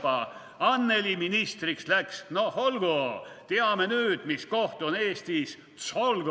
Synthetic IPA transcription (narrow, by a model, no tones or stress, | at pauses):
ɑ | ɑnːe̞liminist̪rikslæksnoholɡot̪eɑmenyːd̪̥misko̞ht̪one̞ːst̪is | t̪solɡ